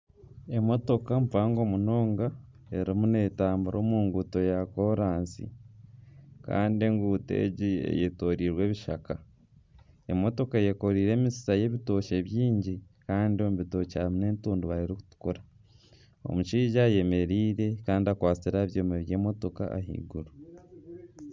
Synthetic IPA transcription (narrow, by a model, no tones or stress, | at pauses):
e̞mo̞to̞kamupaːŋɡo̞muno̞ːŋɡa | e̞ɾimune̞ːtaːmbuɾʔo̞ːmuːŋɡuːto̞jako̞ɾaːnsḭ | ka̰ːndie̞ŋɡuːte̞̰ɟiḛjeto̞ɾiːɾwe̞ːβiʃaka | e̞mo̞to̞kaje̞ko̞ɾiːɾe̞ːmisi̥saje̞βito̞ːʃe̞βjiːɲɟikaːndio̞muβito̞caːβine̞ːntuːnduβaɾiɾiku̥tu̥koɾa | o̞̰muʃiːʒaje̞me̞ɾiːɾe̞kaːndiakwaːt͡siɾaβjoːmeβje̞ːmo̞to̞ka̰a̰ɦḭɡuɾu